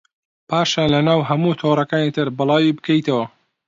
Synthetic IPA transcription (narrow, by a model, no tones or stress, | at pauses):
pʰaːʃalɐnaːwɦɐmuːt̪ʰoɾˤɐkaːnit̪ʰɨɾbɨlˠaːwibɨkʰɐjt̪ɐwɐ